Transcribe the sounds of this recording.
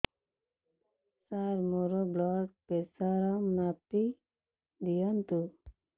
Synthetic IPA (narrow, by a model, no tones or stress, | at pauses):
saɾmoɾoblɔk̚pesaɾamnapi | d̪ijʌnt̪u